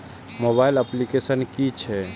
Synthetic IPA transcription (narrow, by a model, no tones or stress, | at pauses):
mobailəplikesənkit͡ʃʰɛ